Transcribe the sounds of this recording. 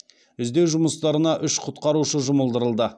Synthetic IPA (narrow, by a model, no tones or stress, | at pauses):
ʏzd̪e̞wʒʊməst̪ɑɾənɑʔʏʃqʰʊt̪qɑɾuʃəʒʊməlˠd̪əɾəlˠd̪ə